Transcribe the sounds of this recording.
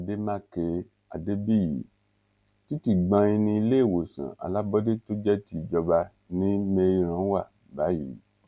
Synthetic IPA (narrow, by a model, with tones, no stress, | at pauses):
de˦mã˦ke˧ | a̰˨de˦bi˦˨jḭ˨˦ | ti˦ti˦˨ɡ͡bã˧i˧nĩ˧i˧le˦˨wo˨sã̰˨a̰˨la˦bɔ˦de˦to˦d͡ʒɛ˦ti˦˨d͡ʒɔ˧ba˧ | nĩ˦me˧ɾi˧˦ɾ̃ã˨˦wa˦˨ | ba˨˦jḭ˨˦